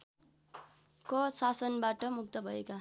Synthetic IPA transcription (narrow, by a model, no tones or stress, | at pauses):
kʌsasʌnbaʈʌmuk̚t̪ʌbʱʌeka